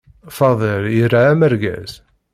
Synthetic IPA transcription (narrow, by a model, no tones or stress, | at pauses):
fɑðˤəlirːaːməɾɡæ̰z̥